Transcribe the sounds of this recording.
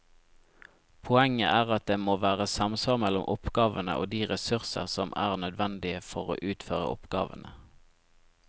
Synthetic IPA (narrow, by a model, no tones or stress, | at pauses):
pʰʊɛŋəʔæːʁɑt̪̚d̪eːmoːʋæːʁəsɑmsʋɑːʁmɛlʊmʔɔpɡɑːʋənə̰ʔo̰ːd̪iːʁɛsʉʁsə̰ʁsɔmʔæ̰ːʁnœd̪ʋɛnd̪ɪəfɔʁo̰ːʔʉːt̪føːʁə̰ʔɔpɡ̥ɑ̰ːʋə̰nə